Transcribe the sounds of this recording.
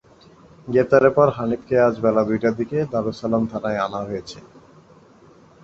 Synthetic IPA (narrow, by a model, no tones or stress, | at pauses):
ɡeɾt̪aɾeɾpɔɾɦanip̪kʰead͡ʑbɛlad̪ujʈad̪iked̪aɾosalamt̪ʰanaeanaɦojet͡ɕʰe